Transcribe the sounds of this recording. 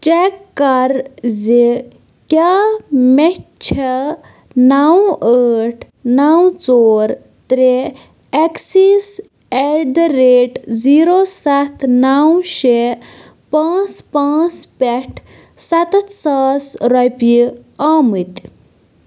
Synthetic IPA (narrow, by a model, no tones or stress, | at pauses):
t͡ʃekːɐɾzi | kʲamɛt͡ʃʰɐ | nawəʈʰ | nawt͡soːɾ | t̪ɾe | ɛksis | ɛɾɖɾeːʈziːɾosɐt̪ʰnawʃe | pãːt͡spãːt͡spɛʈʰ | sɐt̪saːsɾɐpiaːmɨt̪